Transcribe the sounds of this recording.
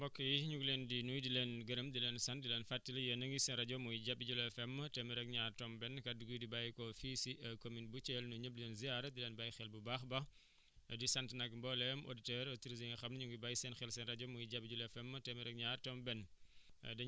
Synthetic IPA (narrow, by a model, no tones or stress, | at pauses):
mbɔkːɐjiɲuɡlɛndinujdilɛːnɡɐɾəmdilɛːnsɐndilɛnfatːilɐjənɐŋɡisɛnɾɐɟɔmujɟɐbiɟulɛfɛmːɐtɛmiɾɛk̚ɲaːrtɔmbɛnkɐduɡujdibajkɔfisiʔɐkominbut͡ʃɛlnuɲəb̚lilɛnziaɾɐdilɛːnbajxɛlbubaːxbɐ | disɐntnɐkmbɔlɛmo̰ditɛɾotiɾizeŋɐxɐmnɲuŋɡibaːjsɛnxɛlsɛnrɐɟɔmujɟabiɟulɛfɛmːɐtɛmiɾɛk̚ɲaːɾtɔmbɛn | dɐ